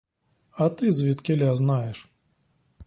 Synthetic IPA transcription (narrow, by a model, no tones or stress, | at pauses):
ɐt̪ɨzʲvʲit̪kʲɛlʲaznajɛʂ